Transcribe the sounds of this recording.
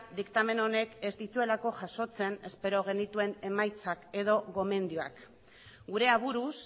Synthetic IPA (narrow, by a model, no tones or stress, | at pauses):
d̪ikt̪ame̞no̞ne̞ke̞zd̪it̪ue̞lako̞ʝaso̞t͡se̞ne̞spe̞ɾo̞ɣ̞e̞nit̪ue̞ne̞majt͡sake̞ðo̞ɣo̞me̞nd̪ioa̰k | ɡuɾe̞aβ̞uɾus